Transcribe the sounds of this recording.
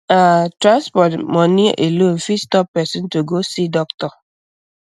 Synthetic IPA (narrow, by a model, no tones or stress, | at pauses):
atɾanspɔtmɔniʔelon̩fistɔpːɛsɔ̃n̩toɡosidɔktɔ